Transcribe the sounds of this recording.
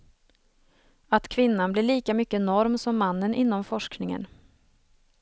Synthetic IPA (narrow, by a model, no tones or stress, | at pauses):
at̪kʰvɪnːanblɪɭiːkamʏkːənɔɾmsɔmːanːənʔɪnːɔmfɔʂknɪŋə̰n